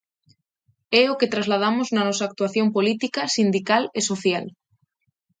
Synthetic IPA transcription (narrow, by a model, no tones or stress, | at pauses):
ɛoket̪ɾazlað̞amoznɐnɔsaːk̚t̪uaθjompolit̪ikɐsind̪ikalesoθjal